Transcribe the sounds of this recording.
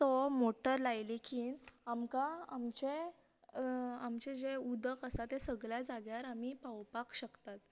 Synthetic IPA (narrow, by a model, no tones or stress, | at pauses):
t̪omoʈəɾlajlikiːnamkãamt͡ɕe | amt͡ɕẽd͡ʑeud̪əkəsat̪esəɡɭjad͡zaɡjaɾam̤ipawpakɕəkt̪at̪